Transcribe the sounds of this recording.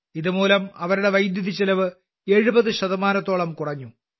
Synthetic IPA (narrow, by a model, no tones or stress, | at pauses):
iðumuːlɐmɐʋɐɾuɽe̞ʋɐjd̪juðit͡ɕːɐlɐʋɨ | e̞ɻubɐðɨɕɐðɐmaːnɐt̪ːo̞ːɭɐmkurɐɲːu